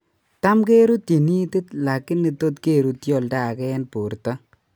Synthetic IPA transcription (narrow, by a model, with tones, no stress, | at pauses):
ta˦mke˦ɾu˦te˨ni˦tɪ˦tla˨kːɪ˦nːi˨to˦tke˦˨ɾu˦tjɔ˦˨lda˦˨kɛ˦ɛ˦npo˨ɾta˦